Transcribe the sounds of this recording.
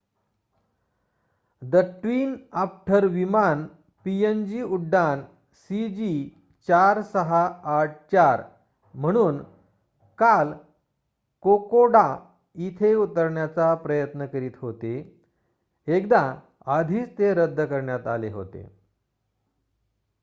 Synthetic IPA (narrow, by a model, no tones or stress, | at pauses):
d̪əʈʋiːnapʈʰəɾʋiman | piend͡ʑiːuɖːan | sid͡ʑi | t͡ɕaɾsəɦaːʈ̚ʰt͡ɕaɾ | m̤əɽ̃uːn | kal | kokoɽa | it̪ʰeut̪əɾɳjat͡sapɾəjət̪nəkəɾiːt̪ɦot̪e | kd̪a | ad̪ʱiːt͡st̪eɾəd̪ʱːəkəɾɳjat̪a̰leɦo̰t̪ḛ